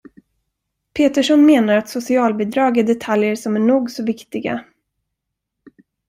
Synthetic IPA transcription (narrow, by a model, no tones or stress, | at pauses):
pʰeːt̪əʂɔnmeːnaɾat̪sʊsɪɑːlbiːd̪ɾɑːɡæɖɛt̪ʰaljəʂɔmæɳuːɡsɔvɪkt̪ɪɡa̰